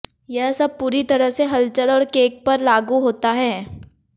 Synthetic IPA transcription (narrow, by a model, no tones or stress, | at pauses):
jɛɦsɐb̚puːɾit̪ɐɾəɦseɦɐlt͡ʃəɽɔːɾkeːk̚pɐɾlaːɡuɦoːt̪aɦɛ̃ː